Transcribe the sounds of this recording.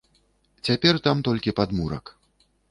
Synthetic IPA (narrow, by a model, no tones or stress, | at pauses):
t͡sʲapʲɛrt̪amt̪ɔlʲkʲipad̪muɾɐ̰k